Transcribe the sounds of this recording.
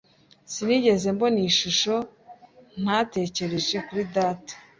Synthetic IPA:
siniɟe̞ze̞mbo̞niːʃuʃo̞ | n̥aːte̞ːce̞ɾe̞ʒe̞kuɾidaːtḁ

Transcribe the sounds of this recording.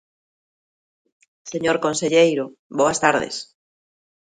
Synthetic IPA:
seɲoɾkonseʎejɾoboɐst̪aɾðḛs

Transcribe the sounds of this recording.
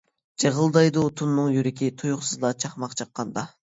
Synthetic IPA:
d͡ʒeʁəlˠd̪ɑjd̪ut̪ʰunːɨŋjyɾɪkʲʰit̪ʰujuχsɨzlˠɑt͡ʃʰɑχmɑqt͡ʃʰɑqːɑnd̪ɑ

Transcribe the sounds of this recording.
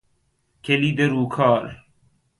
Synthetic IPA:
kʰeliːd̪eɾuːkʰɑːl

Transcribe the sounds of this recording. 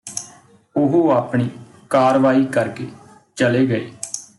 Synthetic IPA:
ʊɦoːaːpɳiː | kaːɾʋaːiːkəɾkeː | t͡ʃəleːɡəeː

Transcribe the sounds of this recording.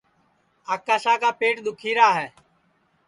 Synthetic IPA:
aːkaːʃaːkaːpeːʈɗ̪ʊkʰiːɾaːɦɛː

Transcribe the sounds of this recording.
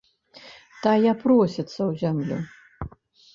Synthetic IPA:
t̪ajapɾɔsʲɛt̪sɐwzʲamlʲṵ

